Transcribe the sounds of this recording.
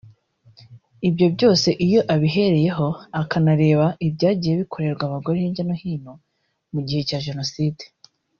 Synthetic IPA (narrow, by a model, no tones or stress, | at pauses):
ibjo̞bɟo̞ːse̞ʔijo̞ʔaβiɦe̞ɾe̞je̞ɦo̞akanaɾe̞ːβaʔibjɟaːɟijeβikʰo̞ɾe̞ɾɡwaβaɡo̞ɾehiɲɟanohiːno | muɟihe̞caːʒe̞no̞siːde